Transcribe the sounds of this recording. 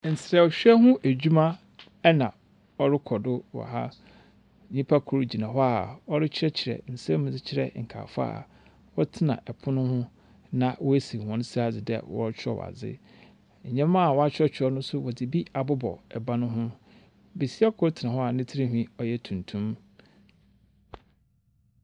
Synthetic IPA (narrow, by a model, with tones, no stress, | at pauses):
n̩˨sɾɛ˨ɔ˨ɕᶣɛ˦ɦʊ̃˦ʔæ˨d͡ʑᶣu˦mã˦ | ɛ˦nã˨ | ɔ˦ɾɪ˦kʰɔ˨dʊ˦wɔ̰˨ɦa˦ | ɲĩ˦pʰa˦kʰʊ˨ɾd͡ʑi˨nã˨ɦɔ˦a˨ɔ˦ɾɪ˦t͡ɕʰɪ˦ɛ˦t͡ɕʰɪ˨ɾɛ̰˨n̩˨sɛ̃˦m̃˨d͡zɪ˦t͡ɕʰɪ˨ɾɛ̰˨ŋ̩˨kʰa̰ː˨fa̰ː˦˨ | wɔ˦tʰɪ˦nã̰˨ʔɛ˨pʰʊ˦nʊ̃˦hʊ̃˦ | nã˨wɔ˦e˦si˨hɔ̃˨˦n˦sa˨d͡zɪ˨dɛ̰˦˨wɔ̰˦ɾt͡ɕʰᶣɔ̰˦w̰a̰˨d͡zɪ̰˦ | ɲ̩˨ɲɛ̃˦mã˦a˨wɔ˦a˦t͡ɕᶣɾɔ˦t͡ɕʰᶣɔ˦nʊ̃˦sʊ˦wɔ˨dɪ˨bi˦a˨bʊ˦bɔ̰˨ɛ˨bã˦nʊ̃˦ɦʊ̃˦ | be˨si˦ɛ˦kʰʊ˦ɾtʰɪ˨nã˨ɦɔ˦a˨nɪ̃˦tʰi˦ɾi˦ɦĩ˦ɔ˦jɛ˦tʰũ˨ntʰũ˦m